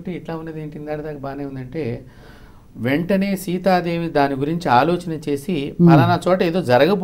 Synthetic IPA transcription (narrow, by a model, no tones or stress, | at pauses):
ʈeiʈlaːunːeːd̪eːɳʈind̪aːɽɐd̪aːkɐbaːneːund̪ɐɳʈe̞ː | ʋeɳʈɐne̞ːsiːt̪aːd̪e̞ːʋid̪aːniɡuɾiɲt͡ʃiaːlɔːt͡ʃɐnɐt͡ʃe̞ːsimɐlɐnɐt͡ʃɔːʈɐeːd̪o̞ːd͡ʒɐɾɐɡɐb